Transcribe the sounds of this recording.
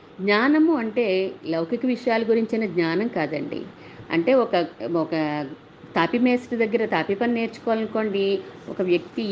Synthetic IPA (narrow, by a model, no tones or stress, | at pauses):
ɡɲaːnɐmuɐɳʈe̞ːlɐwkikɐʋiʂɐjaːluɡuɾiɲt͡ʃɐnɐd̪ɲaːnɐmkaːd̪ɐɳɖḭ | ɐ̰ɳʈe̞ːɔkɐɔkɐ | t̪aːpime̞ːsʈid̪ɐɡːɐɾɐt̪aːpipɐnine̞ːɾt͡ʃu̥kɔːlɐnko̞ːɳɖiɔ̰kɐʋjɐk̚t̪i